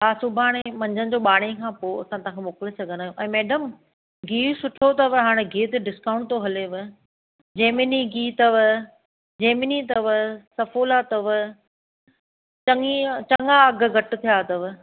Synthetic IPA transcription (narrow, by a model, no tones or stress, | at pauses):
ɦaːsʊbʱaːɽ̃emɐ̃ɲd͡ʑənɪ̆d͡ʑoːɓaːɽ̃ekʰãːpoːɐsãt̪ɐ̃ãkʰeːmoːkɪlesɐɡʱə̃nd̪aːjoʔɛ̃ːmɛːɖəm | ɡiːsʊʈʰot̪ɐʋɦaːɽ̃eɡʱiːt̪ɖɪskaːʊ̃ɳʈt̪oɦɐleʋɪ | d͡ʑeːmɪniɡiːt̪ɐʋ | d͡ʑeːmɪnit̪ɐʋsɐfoːlat̪ɐʋ | t͡ɕɐŋit͡ɕɐŋaɐɡ̆ɡʱɐʈɪ̆t̪ʰijaːt̪ɐʋ